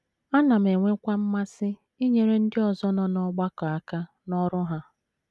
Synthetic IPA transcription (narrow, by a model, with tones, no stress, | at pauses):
a˦na˨m̩˨e˨ŋʷe˦kʷa˦m̩˦ma˦sɪ˦ | i˦ɲe˨ɾe˦n̩˦dɪ˦ɔ˨zɔ˦nɔ˦nɔ˦ɡ͡ba˦kɔ˨a˨ka˦ | nɔ˦ɾʊ˦ɦa˦